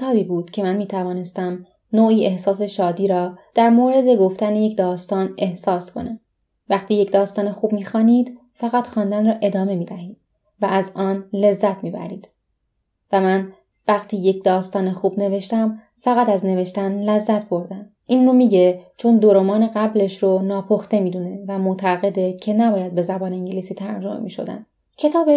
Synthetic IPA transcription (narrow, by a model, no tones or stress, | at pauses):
et̪ʰɒːbiːbuːd̪̥cʰe̞mænmiːt̪ʰævɒːne̞st̪æm | noːiːe̞hsɒːs̬e̞ʃɒːd̪iːɾɒːd̪̥æɾmoːɾe̞d̪e̞ɡo̞ft̪æneje̞cʰd̪ɒːst̪ɒːne̞hsɒːskʰo̰ne | væχt̪ʰiːje̞cd̪ɒːst̪ɒːnexuːb̚miːxɒːniːd̪ | fæɣæt̪xɒːnd̪ænrɒːʔe̞d̪ɒːme̞miːd̪æhiːd̪̥̚ | væʔæzɒːnle̞zːæt̪ʰmiːbæ̰ɾḭːd̪̥ | væmæn | væχt̪ʰiːje̞cd̪ɒːst̪ɒːnexuːbne̞ve̞ʃt̪æm | fæɣæt̪æzne̞ve̞ʃt̪ænlæzːæt̪bo̞ɾd̪æm | ʔiːnromiːɟet͡ʃʰond̪oɾomɒːneɣæble̞ʃɾonɒːpʰoxt̪emiːd̪une̞væmot̪ʰæɣe̞d̪ecʰe̞næbɒːjæd̪̚be̞zæbɒːneiŋɟelisiːt̪ʰæɾd͡ʒo̞̰mḛmḭːʃo̞̰d̪æ̰n | cʰe̞t̪ʰɒːbe